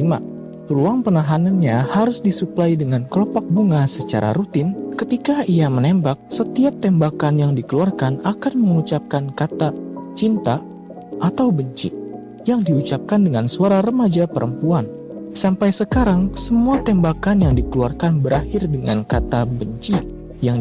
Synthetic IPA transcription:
ima̰ | ruaŋpənaɦananɲahaɾʊsdisuplaidəŋanklɔpak̚buŋasət͡ʃa̰ɾa̰ɾut̪ɪnkət̪ikaiamənembak̚sət̪iap̚t̪ɛmbakanjaŋdikəluarkanakanməŋut͡ʃap̚kankat̪at͡ʃint̪a | ʔːt̪awbəɲt͡ʃḭ | jaŋdiut͡ʃap̚kandəŋansuaɾaɾəmad͡ʒapəɾʔəmpuan | sampajsəkaɾaŋsəmuat̪ɛmbakanjaŋdikəluarkanbəɾahɪrdəŋankat̪abəɲt͡ʃi | jaŋ

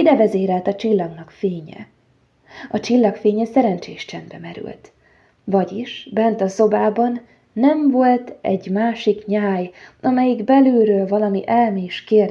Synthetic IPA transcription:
id̪ɛvɛzeːɾɛlt̪ɒt͡ʃilːɒɡnɒkfeːɲɛ̰ | ɒt͡ʃilːɒkfeːɲɛsɛɾɛnt͡ʃeːʃt͡ʃɛnd̪bɛmɛɾy̰lt̪ | vɒɟiʃbɛnt̪ɒso̞baːbɒnː | ɛɱvo̞lt̪ɛɟmaːʃikɲaːjʔɒmɛjiɡbɛløːɾøːlvɒlɒmiʔɛlmeːʃkeːr

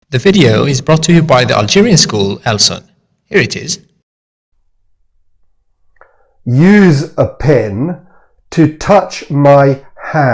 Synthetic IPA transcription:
ðəvɪɾioʊɪzbɹɔˑtʰəjəbaɪðḭʔa̰lˠd͡ʒɪɹiə̃nskuːlɛlˠsə̰̃n | hiəɹɪtʰɪ̰z̥ | jʉːzəpʰɛ̃n | tʰətʰʌt͡ʃmaɪhæ̃

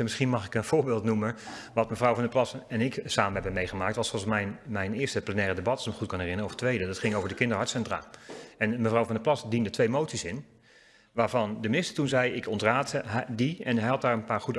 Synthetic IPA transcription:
mɪsχinmɑχɪkənv̥ʊːɹbɪːlˠtnumənʋɑtməvrɔwvɑndəplɑsɛnɪksaːmənɦɛbənmejχəmaːktʋɑsɔsmɛjnmɛjnɪːəstəplənɛːrədebɑtsməχutkɑnɦɛrɪnəɔvətʋejdədɑtχɪŋowvəɹdəkɪndəɹɦɔɹtsɛntra̰ːɛnməvrɔwvɑndəplɑsdindətʋejmowtsisɪn | ʋaːɹvɑndəmɪnɪstəɹtunzɛjɪkɔntraːtdiɛnɦɛjɦɑt̚daːɹənpaːɹχud

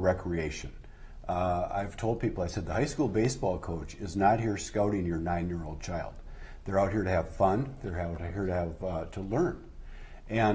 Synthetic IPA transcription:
ɹɛkʰɹieɪʃɨ̃n | a̰ɪv̥tʰoʊlˠd̚pʰipl̩ˠaɪsɛd̪̚ðəhaɪskulˠbeɪsb̥ɔlˠkʰoʊt͡ʃɪznət̚ɦiɹskaʊɾɪ̃ŋjə˞nãɪ̃njɪɹoʊlˠd̚t͡ʃʰaɪlˠd̪̚ | ðə˞aʊt̚hiɹɾɨːv̥fʌ̃nðə˞aʊt̚hiɹɾɨːvtʰəlɜ̃˞n | ʔɨ̃

